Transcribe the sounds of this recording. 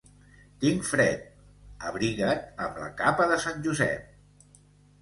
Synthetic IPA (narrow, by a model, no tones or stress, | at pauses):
t̪iŋfɾɛt̪̚ | əβɾiɣət̪əmlə̰kapəðəsanʲʒuzɛ̰p̚